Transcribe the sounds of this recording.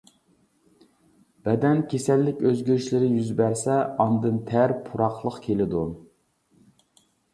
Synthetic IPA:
b̥ɛd̪ɛnkʲʰesɛlːɪkʲøzɡʲyɾyʃlɪɾɪjyzbæɾsɛɑnd̪ɨnt̪ʰæɾpʰuɾɑχlˠəqkʲʰelɪd̪u

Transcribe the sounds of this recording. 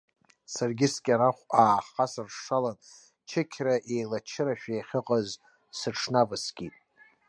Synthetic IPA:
sarɡʲɪskʲʼaɾaχʷaːχasarʂalan | t͡ʃʰɪkʲʰraʔejlat͡ʃʰɪɾaʃᶣejχʲɪqʼaz | sɨʈ͡ʂʰnavɨsɡʲʼitʼ

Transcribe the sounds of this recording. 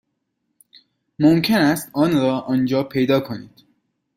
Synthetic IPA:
momcʰe̞næst̪ɒːnɾɒːʔɒːnd͡ʒɒːpʰe̞jd̪ɒːkʰo̞nḭːd̪̥

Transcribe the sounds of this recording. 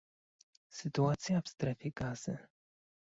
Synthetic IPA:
sɘt̪uat̪sʲjavst̪ɾɛfʲjɛɡaz̥ɘ̰

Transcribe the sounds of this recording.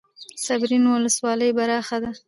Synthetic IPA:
sabɾinwʊləswɑləjbaɾɑxad̪a

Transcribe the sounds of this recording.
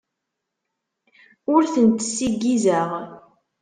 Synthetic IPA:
ʊɾθənt̪ːsiɡːizəʁ

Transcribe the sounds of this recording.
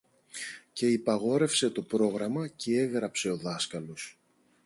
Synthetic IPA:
ce̞ipɐɣo̞ɾe̞fse̞t̪o̞pɾo̞ɣɾɐmɐce̞e̞ɣɾɐpse̞o̞ðɐskɐlo̞s

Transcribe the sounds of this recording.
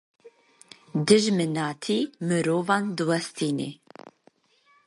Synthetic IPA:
d̪ɨʒmɨnɑːt̪ʰiːmɨɾoːvɑːnd̪ɨwɛst̪ʰiːnḛː

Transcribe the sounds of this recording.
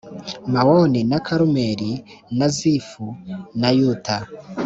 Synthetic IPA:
mawoninakʰaɾumeɾi | nazifunajuta

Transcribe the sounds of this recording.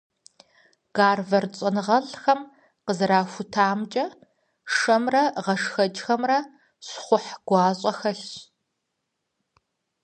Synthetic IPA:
ɡ̥aːrvɐrt͡sʼɐnɨʁɐɮxɐm | qəzɨɾaːfʷʊtʰaːmt͡ʃʼɐ | ʂɐmrɐʁɐʂxɐt͡ʃʼxɐmrɐ | ɕχʷʊħɡ̥ʷɑːɕʼɐxɐɬ

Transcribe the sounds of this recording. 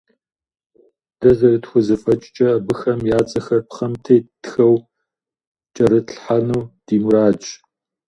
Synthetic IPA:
d̥ɐzɐrɨtxʷʊzɐfʼɐt͡ʃʼt͡ʃʼɐːbɨxɐmjaːt͡sʼɐxɐrpχɐmtʰeːtxɐw | t͡ʃʼɐɾɨɬħanuːd̥iːmuɾaːt͡ʃʼ

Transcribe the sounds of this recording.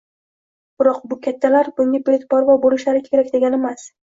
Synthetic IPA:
b̥ɪɾɒqbʊkʲʰat̪ʰːalaɾbʊŋʲapet̪bɒɾvabolɪʃlaɾɪkʲʰe̞ɾakʲd̪e̞ɡʲanemas

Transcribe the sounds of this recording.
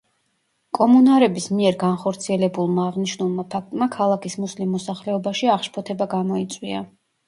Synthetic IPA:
kʼɔmunaɾɛbismiɛɾɡanχɔɾt̪sʰiɛlɛbulˠmaːʁniʃnulˠmapʰak̚t̪ʼmakʰalˠakʰismuslimːɔsaχlɛɔbaʃiaχʃpʰɔt̪ʰɛbaɡamɔit̪sʼwia

